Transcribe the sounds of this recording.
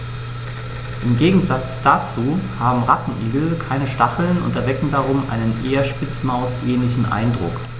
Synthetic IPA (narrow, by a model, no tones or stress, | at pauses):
ʔɪmɡeːɡŋ̩zat͡sd̥at͡suːhaːbm̩ʁatn̩ʔiːɡl̩kʰaɪnəʃtaχl̩nʊ̰ntɛɐvɛkŋ̩daʁ̞ʊmʔa̰ɪnənʔeːɐʃpɪt͡smaʊseːnlɪçn̩ʔa̰ɪndʁʊ̰k